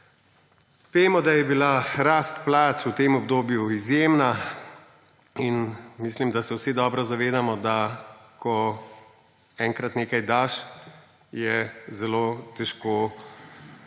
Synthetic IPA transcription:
speːmɔd̪ajɛbilaɾaːst̪plaːt͡sut̪eːmɔbd̪oːbjuizjeːmna | inmislimd̪asɛwsid̪ɔːbɾɔzaʋeːd̪amɔd̪akʰɔ | ɛːŋkɾat̪neːkajd̪aːʃ | jɛzɛloːt̪ɛʃkoː

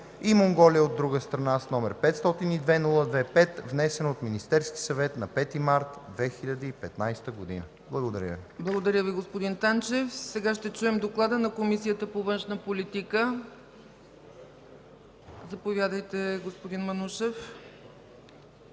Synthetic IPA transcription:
imoŋɡɔliəod̪ɾuɡəst̪ɾɐnasnɔmɛɾpɛt̪st̪ɔt̪inid̪vɛnulˠəd̪vɛpɛt̪vnɛsɛnot̪minist̪ɛɾski̥sɐvɛt̪nɐpɛt̪imaɾt̪d̪vɛxiʎʲɐd̪əipɛt̪najst̪əɡod̪inə | blˠɐɡod̪ɐɾʲjə̰viblˠɐɡod̪ɐɾʲjəviɡospod̪int̪ant͡ʃɛfsɛɡaʃt̪ɛt͡ʃuɛmd̪oklˠad̪ənɐkomisijət̪əpovɤnʃnəpolit̪ikə | zɐpovʲjad̪əjt̪ɛɡospod̪inmɐnuʃɛf

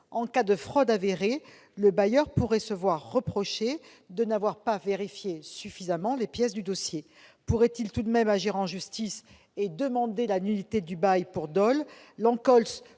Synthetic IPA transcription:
ɑ̃kad̪əfχɔd̪aveʁe | ləbajœʁpuʁɛsəvwaʁːəpχɔʃe | d̪ənavwaʁpaveʁifjesyfizamɑ̃lepjɛs̬d̪yd̪ɔsje | puʁɛt̪ilt̪ud̪mɛmaʒiʁɑ̃ʒyst̪is | ed̪əmɑ̃d̪elanyd̪it̪ed̪ybajpuʁd̪ɔlːɑ̃kɔls

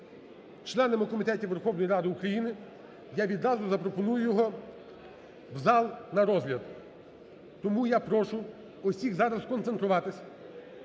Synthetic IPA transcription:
t͡ʃlˠɛnemɪkɔmʲit̪ɛtʲiʋerxɔwnɔjiɾɑd̪ɪukɾɐjinɪ | jaʋʲid̪ɾɑzʊzɐpɾɔpɔnujʊjɔɦɔ | wzɑlˠnɐɾɔzʲɦlʲɐd̪ | t̪ɔmujapɾɔʃʊ | ɔsʲiɣzɑɾɐskɔnt̪sent̪ɾʊʋɑt̪ɪsʲɐ

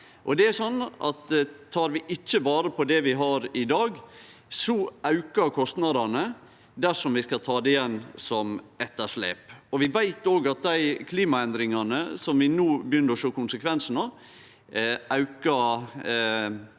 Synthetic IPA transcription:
ʔɔd̪ɛæɾsɔnːʔɑ̰t̪t̪ʰɑːɾʋɪʔɪc͡çːəbɑːɾəpʰɔd̪ɛʋɪɦɑɾɪd̪ɑːɡ | sɔʔɑʉkəɾkʰɔst̪nɑd̪ɑnə | d̪æʂɔmʋɪskɑlt̪ʰɑːd̪ɛɪjɛnːsɔmɛt̪ːəʂlḛːpɔʋɪʋæɪt̪oːɡɑt̪̚d̪æɪkʰliːmɑɛnd̪ɾɪŋɑnəsɔmʋɪnuːbəjʏnːəɾɔʃoːkʊnsəkʰʋɛnsənɑ | ɑʉkəɾ

